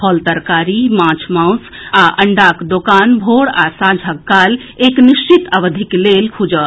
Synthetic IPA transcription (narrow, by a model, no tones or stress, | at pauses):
pʰəlt̪əɾkaɾimãt͡ʃʰmãws | aʔəɳɖakd̪okanbʱoɽasãd͡ʒʱəkːal | ekniʃt͡ʃit̪əʋəd̪ʱiklelkʰud͡ʒə